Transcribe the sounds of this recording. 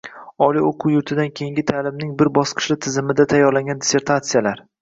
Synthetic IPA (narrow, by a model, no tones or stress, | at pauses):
ɒlˠioqʰʊwjʊɾt̪ʰɪd̪ankʲʰe̞ŋɡʲɪt̪ʰaːlɪmnɪŋbɪɾbɒsqʰɨ̥ʃlɪt̪ʰɪzɪmɪd̪at̪ʰajːɒɾlaŋɡʲand̪ɪse̞ɾt̪ʰat̪sijalaɾ